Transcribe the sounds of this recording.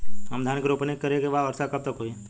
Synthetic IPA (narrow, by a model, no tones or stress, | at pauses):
əmd̪ʱankɾopənekəɾekeʋaʋəɾsakəp̚t̪akoi